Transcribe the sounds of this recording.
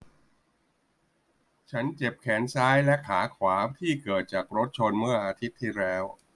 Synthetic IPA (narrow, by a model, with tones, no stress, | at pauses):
t͡ɕʰa˦˥nt͡ɕe˨˩p̚kʰɛː˩˦nsaː˦˥jlɛ˦˥kʰaː˩˦kʰwaː˩˦t̪ʰiː˥˩kɤː˨˩t̪̚t͡ɕaː˨˩k̚ɾo˦˥t̪̚t͡ɕʰo˧nmɯ˥˩ɐʔaː˧t̪ʰi˦˥t̪ʰːiː˥˩ɾɛː˦˥w